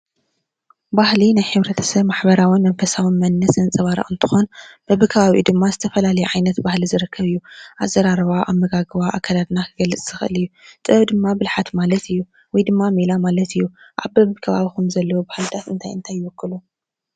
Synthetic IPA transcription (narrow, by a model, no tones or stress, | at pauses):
bahlinajħɨβɾɐt̪ʰɐ̥sɐβmaħbɐɾawimɐnfɐsawinmɐnːɐsɨnt͡sʼɐβaɾa̰ʔɨnt̪ʰɨ̥xonb̥ɐβɨkʰɐβaβiṵd̪ɨmːazɨt̪ʰɐfɐlalɐjuʕajnɐt̪bahlizɨɾɨkʰːɐβɨjːuʔazɐɾaɾɨβaʔamɐɡaɡɨβaʔakʰːalad̪nakʰɨɡɐlːɨt͡sʼz̥ɨxɨʔɨ̰lɨjːut̪ʼɨβɐβd̪ɨmːabɨlħat̪malɐt̪ʰɨjːu | wɔjd̪ɨmːamilamalɐt̪ʰɨjːuʔaβbɐβɨkʰɐβaβikumzɐlːɐwobahlt̪ʰat̪ɨ̰nt̪ʰajɨnt̪ʰajːɨwʊkːɨlu